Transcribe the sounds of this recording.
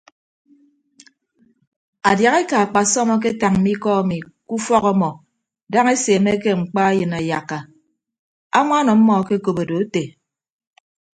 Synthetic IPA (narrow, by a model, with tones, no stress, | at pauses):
a˨dja˨ɣe˦ka˨a˨k͡pa˨sɔ˦mɔ˦k̬e˦ta˨ŋ̩˦mi˦kɔ˦a˨mi˨ | ku˦fɔ˦kɔ˦mɔ˨ | da˦ŋe˦se˨me˦ke˦ŋ͡m̩˨k͡pa˦a˦jɨ˨na˨ja˨kːa˨ | a̰˦ŋa˦nɔ˨m̩˦mɔ˨ke˦ko˨bo˨do˨e˦te˨